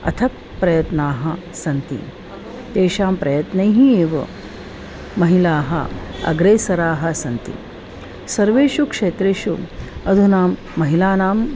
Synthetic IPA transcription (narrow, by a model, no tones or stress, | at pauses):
ɐ̰t̪ʰɐk̚ | pɾɐjɐt̪naːɦɐ | sɐnt̪ḭ | t̪eːʃaːmpɾɐjɐt̪nɐjɦieːʋɐ̰ | mɐɦilaːɦɐ̰ɐ̰ɡɾeːsɐɾaːɦɐ̆sɐnt̪ḭ | sɐɾʋeːʃukʂeːt̪ɾeːʃuɐd̪ʱunaːmːɐɦilaːnaːm